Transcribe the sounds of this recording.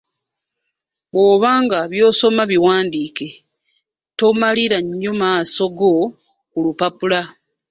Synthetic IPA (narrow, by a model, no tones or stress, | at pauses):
βwoːβaːŋɡaβjo̞ːso̞maβiwaːndiːke̞ | to̞maliɾaɲːomaːso̞ɡo̞ | kulupapula